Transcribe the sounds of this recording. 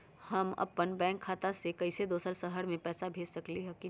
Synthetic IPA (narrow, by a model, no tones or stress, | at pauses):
hɐmɐ̰pənbɛ̃ːŋkʰːaːt̪asekɐɪsed̪oːsəɾsəɦəɾmẽpɛːsabʱeːd͡ʒsɐkliɦɛki